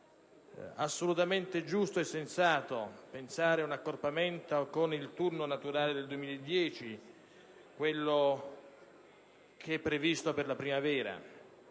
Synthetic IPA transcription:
asːolut̪ament̪ed͡ʒust̪oɛsːensaːt̪opensaːɾeunakːorpament̪okonilt̪urnonat̪uɾaːled̪eld̪uemiːlaed̪ːjɛːt͡ʃi | kwelːo | kʰeɛpːɾevist̪operlapɾimavɛːɾa̰

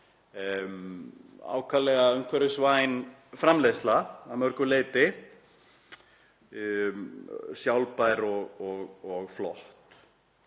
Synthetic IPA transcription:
m | a̰ːwkʰalɛɣaœŋkʰvɛɾɪsvaːjn | fɾamleːst̪laamœɾ̥kʏleːt̪ɪ | sjawlpajɾɔɣɔɣɔɣflɔht̪

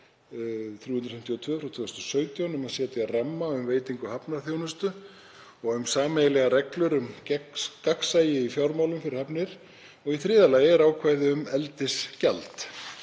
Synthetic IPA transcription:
θɾjuːhʏnt̪ɾ̥fɛmt̪ʰiɔwt̪ʰvœːfɾawt̪ʰveːhʏ̥snt̪sœːɥt̪jawnʏmhasjɛːt̪ʏaramːaʏmveːjt̪iŋkʏhapnaɾθjownʏst̪ʏ | ɔɣʏmsaːmɛjɪlɛɣaɾɛklʏɾʏm | kaksaːjɪifjawɾmawlʏmfɪɾɪɾhɛpnɪɾ̥ | ɔɣiθɾɪːðalaːjɪɾaːwkʰvajðɪʏmɛlt̪ɪscalt̪

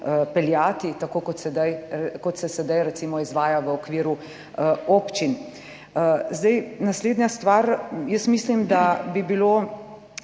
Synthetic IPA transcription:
pɛljaːt̪it̪akoːkɔt̪sɛd̪ajkɔt̪sɛsɛd̪ajɾɛt̪simɔizʋaːjaʋəɔkʋiːɾu | oːpt͡ʃin | əzd̪ɛjnasleːd̪njast̪ʋaːɾjəsmislimd̪abibiloː

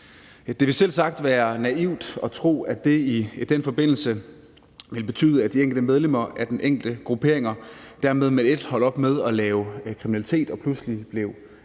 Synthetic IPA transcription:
d̥e̝ʋisel̰sɑ̈ɡ̥̚d̥ʋæːɐnæiʊ̰d̥ɒ̽t͡sʰʁo̝̰ːæd̥e̝id̥enfɒ̽b̥e̝n̰l̩sə | ʋe̝lb̥e̝t͡sʰy̰ːð̞ˠəæd̥ieŋɡ̥l̩d̥əmeðˠlem̰ɐæɐd̥enʔeŋ̰ɡ̥l̩d̥əɡ̥ʁupʰe̝ɐ̰eŋɐd̥æɐmeð̞ˠmeðˠe̝d̥hɒ̽l̰ɒ̽b̥með̞ˠɒ̽lɛːʊkʰʁiminælit͡sʰe̝̰ːd̥ɒ̽pʰluslib̥le̝ʊ

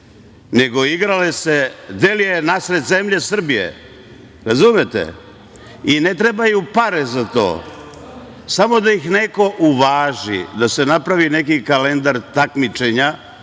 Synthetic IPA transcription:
ne̞ɡo̞iɡɾalesed̪eljenasɾet̪ze̞mʎe̞sr̩bijḛ | ɾazumet̪ḛ | inet̪ɾebajupaɾezat̪o̰ː | samo̞d̪aixneko̞ʔuʋaːʒḭd̪asenapɾaʋine̞kikale̞nd̪aɾt̪akmit͡ʃe̞ɲa

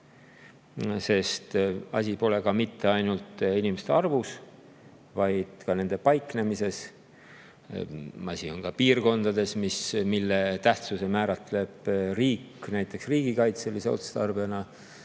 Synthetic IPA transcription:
se̞st̪ɑ̰sʲipo̞le̞kɑmit̪ːe̞ɑjnult̪inimest̪eɑrvus | vɑjd̪̥kɑne̞nd̪̥e̞pɑjkˑne̞mise̞s | ɑsio̞nkɑpiːrko̞nd̪̥ɑd̪e̞smismilːet̪æht̪suse̞mæːɾɑt̪ˑle̞b̥riːkːnæjt̪ːˑe̞ksriːɡikɑjt̪selːiseo̞̰t̪su̥st̪ɑrvenɑ

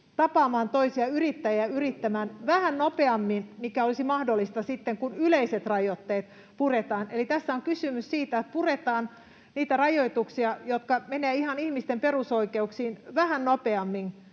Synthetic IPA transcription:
t̪ɑpɑːmɑːnt̪oisiɑyrit̪ːæjæyrit̪ːæmæːnʋæhænnopeɑmːinmikæolisimɑhdolːist̪ɑsit̪ːeŋkunyleiset̪rɑjot̪ːeːt̪ | puret̪ɑːnʔelit̪æsːæoŋkysymyssiːt̪æot̪puret̪ɑːn | niːt̪ærɑjoit̪uksiɑjot̪kɑmeneːihɑnihmist̪emperusoikeuksiːnʋæhænnopeɑmːin

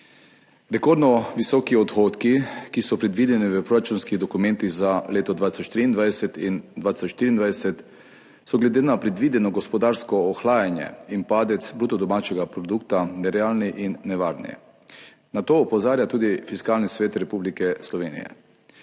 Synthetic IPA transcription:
ɾɛkoːɾd̪nɔʋisɔːkiɔt̪xoːt̪kikisɔpɾɛd̪ʋid̪ɛniʋəpɾoɾat͡ʃunskiɣd̪ɔkumɛ̃nt̪iɣzaleːt̪ɔd̪ʋaːt̪i̥sɔt͡ʃʃt̪ɾiːnd̪ʋajd̪ɛsɛt̪ind̪ʋaːt̪i̥sɔt͡ʃʃt̪iɾiːnd̪ʋajɛsɛt̪ | sɔɡlɛd̪eːnapɾɛd̪ʋid̪ɛnɔɡɔspɔd̪aːɾskɔːxlaːjanjɛ̰inpaːd̪ɛt̪sbɾuːt̪ɔd̪ɔmaːt͡ʃɛɡapɾɔd̪ukt̪anɛɾɛaːlniʔinːɛʋaɾnḭ | nat̪oːpɔzaːɾjat̪uːd̪ifiskalnisʋeːt̪ɾɛpublikɛslɔʋeːnḭjɛ̰

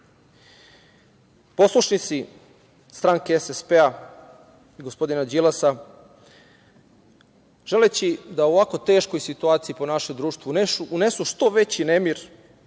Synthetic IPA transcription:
po̞slˠuʃnit̪si | st̪ɾaŋke̞esespea | iɡo̞spo̞d̪inad͡ʑilasa | ʒ̥e̞let͡ɕid̪ao̞ʋako̞t̪e̞ːʃko̞jsit̪uaːt̪sijipo̞naʃejd̪ɾuːʃt̪vʋuneuunesuʃt̪o̞ʋe̞t͡ɕinemiɾ

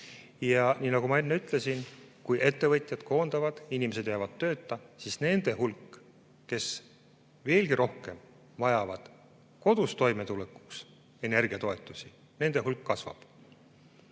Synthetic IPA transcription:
jɑnʲiːnɑɡ̥umɑe̞nːeyt̪ˑle̞sinkujʔe̞t̪ːe̞vɤt̪ʲˑjɑd̪̥ko̞ːnd̪̥ɑvɑd̪̥inʲime̞se̞d̪jɑvɑd̪̥t̪ːø̞ːt̪ːˑɑsisne̞nd̪̥e̞hulkː | e̞s | ve̞ːlɡ̥iɾʔo̞hke̞m | vɑjɑvɑd̪̥ | ko̞d̪̥ust̪o̞jme̞t̪uleku̥ks | e̞ne̞rɡ̥iɑt̪o̞e̞t̪ːˑusi | ne̞nd̪̥e̞ɦulkːɑsvɑ̰b̥

